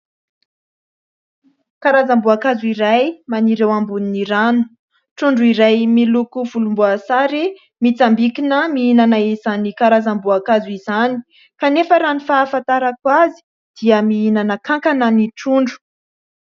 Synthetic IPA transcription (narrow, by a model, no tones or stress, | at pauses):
kaɾazambuakazuiɾajmaniɾewambuniniɾanu̥ | ʈ͡ʂuɳɖ͡ʐuiɾajmilukuvulumbuasaɾi | mit͡sambikinəmiinanaizanikaɾazambuakazuizani̥ | kanefəɾanifaːfãnt̪aɾakwazi̥ | d̪̥iəmiinanəkaŋkanəniʈ͡ʂuɳɖ͡ʐu̥